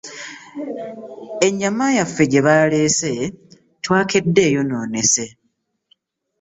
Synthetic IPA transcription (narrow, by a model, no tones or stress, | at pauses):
e̞ɲːamajafːeɟe̞βaleːse̞ | twaːkedːe̞ːjo̞no̞ːne̞se